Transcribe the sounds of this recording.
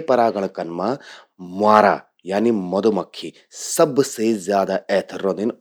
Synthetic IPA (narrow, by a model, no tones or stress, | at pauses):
pɐɾaːɡɐɭɐkɐnmɐ | maːɾa̰ː | jaːnimɐd̪umɐkʰːi | sɐbseːzjaːd̪ɐɛːt̪ʰɐɾond̪in